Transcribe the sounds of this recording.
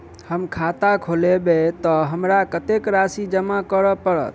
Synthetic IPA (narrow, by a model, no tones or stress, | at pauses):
həmkʰat̪akʰolebet̪ɔɦəmɾakət̪ekɾasid͡ʒəmakəɾəpəɾə̰t̪̚